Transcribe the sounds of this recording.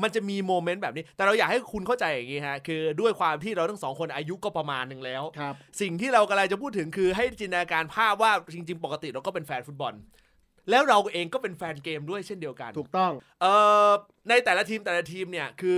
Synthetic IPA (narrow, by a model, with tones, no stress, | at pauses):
ma˧nt͡ɕa˨˩miː˧moː˧me˦˥ntbɛː˨˩p̚ni˦˥t̪ɛː˨˩ɾa˧wjaː˨˩k̚ha˥˩jkʰu˧nkʰa˥˩wt͡ɕa˧jːa˨˩ŋːiː˦˥kʰa˦˥kʰɯː˧du˥˩əjkʰwaː˧mt̪ʰiː˥˩ɾa˧wt̪a˥˩sɔː˩˦ŋkʰo˧nʔaː˧ju˦˥kɔː˥˩pɾa˧maː˧nːɯ˨˩ŋlɛː˦˥wʰsi˨˩ŋt̪ʰiː˥˩ɾa˧wka˧la˧jt͡ɕa˨˩pʰuː˥˩t̪ʰːɯ˩˦ŋkʰɯː˧ɦa˥˩jt͡ɕiː˧nːa˧a˧kaː˧npʰaː˥˩p̚waː˥˩t͡ɕi˧ŋt͡ɕi˧ŋpɔ˨˩ka˧t̪ḭ˨˩ɾa˧wkɔː˥˩pe˧nfɛː˧nfu˦˥t̪̚bɔ˧n | lɛː˦˥wɾa˧wʔeː˧ŋkɔː˥˩pe˧nfɛː˧nkeː˧mdu˥˩əjt͡ɕʰe˥˩ndi˧əwka̰˧nʰuː˨˩t̪ɔ˥˩ŋ | ʔɤː˨˧˩ | na˧jt̪ɛː˨˩la˦˥t̪ʰiː˧mt̪ɛː˨˩la˦˥t̪ʰiː˧mni˥˩ɐkʰɯː˧